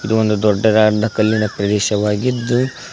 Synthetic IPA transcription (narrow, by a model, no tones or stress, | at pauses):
id̪uond̪ud̪ɔɖːɐɾaːɾd̪ʱɐkɐlːinɐpɾɐd̪ɛːʃɐʋaːɡid̪ːu